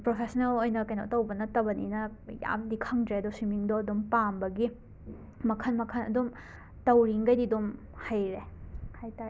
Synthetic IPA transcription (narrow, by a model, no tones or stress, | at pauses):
pɾopʰesnelojnɐkɐjnɔ̰tɐwbɐnɐtɐbɐnḭnɐja̰mdikʰɐŋdɾeɐdɔsimiŋdoɐdumpambɐɡi | mɐkʰɐnmɐkʰɐnɐ̰dum | tɐwɾiŋɡɐjdidum | hajɾehajta